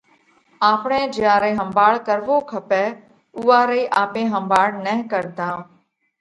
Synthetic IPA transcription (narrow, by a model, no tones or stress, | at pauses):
aːpɳẽːd͡ʒɪãːɾeːɦəmbʱaːɭkəɾʋoːkʰəpɛː | ʊʋaːɾeːʔaːpẽːɦəmbaːɽnəɦkəɾd̪ãː